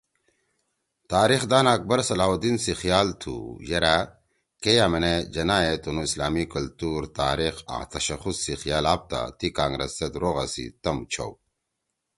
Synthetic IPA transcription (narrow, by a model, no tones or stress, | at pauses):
t̪aːɾixd̪aːnaːk̚bɐɾsɐlaːɦud̪insixijaːlt̪ʰṵjɐɾa | kejamɐned͡ʑɐnaːet̪onuislaːmikɐlt̪uːɾt̪aːɾixa̰t̪ɐɕɐxusːixijaːlaːp̚t̪a̰t̪ikaːŋɡɾɐ̰sːed̪ɾoːɣa̰sḭt̪ɐmt͡ɕʰɐ̰w